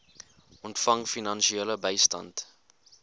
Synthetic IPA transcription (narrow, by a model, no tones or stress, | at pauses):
ɔntfɐŋfinɐnʃieləbəjstɐ̰nt